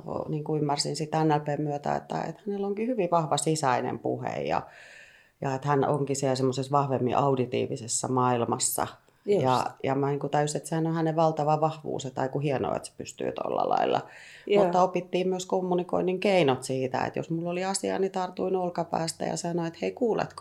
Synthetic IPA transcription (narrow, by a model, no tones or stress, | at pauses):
o̰niːŋkuymːærsinsit̪ænːælpeːmmyøt̪æ̰ḛt̪ːæ̰ḛt̪hænelːoŋkihyʋiʋɑhʋɑsisɑinḛmpṵhḛjjɑ̰ | jɑet̪hænʔo̰ŋkisiɛlsemːosesʋɑhʋemːḭʔɑudit̪ḭːʋisesːɑmɑilmɑsːɑ̰ | jɑjɑmæniːŋkut̪æjuset̪sehænohæneʋʋɑlt̪ɑʋɑʋɑhʋṵːset̪ɑikuhieno̰ḛt̪se̥pyst̪y̰ːt̪o̰lːɑ̰lɑ̰ilːɑ̰mut̪ːɑopit̪ːiːmmyøskomːuniko̰iniŋkeinot̪siːt̪æ̰ḛt̪jo̰smulːoliɑsiɑ̰nit̪ɑrt̪uinolkɑpæ̰ːst̪æ̰jɑ̰sɑnoet̪heikuːlḛt̪k